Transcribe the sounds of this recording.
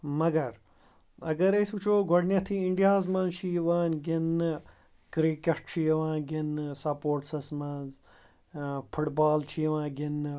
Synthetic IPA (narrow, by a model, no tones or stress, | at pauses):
mɐɡɐɾ | ɐɡɐɾesut͡ʃʰoːɡoɽnʲjɐt̪ʰiiɳɖijaːzmɐ̃nt͡ʃʰiːʋaːnʲɡɪn | kɾiːkɐʂʈt͡ʃʰijʋãːɡɪnsɐpoːɾʈsɐsmɐz | fʰʊʈbaːlt͡ʃʰiːʋãːɡɪn